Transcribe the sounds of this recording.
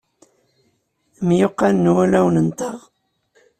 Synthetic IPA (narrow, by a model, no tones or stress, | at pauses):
mjoqːɑnːwælæwnənt̪ɑʁ